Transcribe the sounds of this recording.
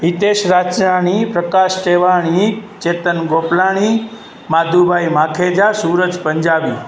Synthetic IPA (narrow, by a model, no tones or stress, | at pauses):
ʋit̪eʃɾad͡ʒnañipɾəkaʃʈeʋaɳ̃it͡ʃet̪ənɡoplaɽ̃i | mad̪ʱubʱajmakʰed͡ʒasuɾəd͡ʒpəɲd͡ʒabi